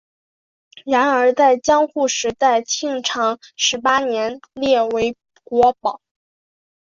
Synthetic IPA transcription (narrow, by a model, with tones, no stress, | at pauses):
ɻa˧˥nə˞˧˥t͡sa˥˩ɪt͡ɕjɑ˥ŋxu˥˩ʂɻ̩˧˥t̪a˥˩ɪt͡ɕʰi˥˩ŋʈ͡ʂʰɑ˧˥ŋʂɻ̩˧˥pa˥njɛ˧˥nljɛ˥˩we˧˥ɪ | kwɔ˧˥pɑ˨˩˦ʊ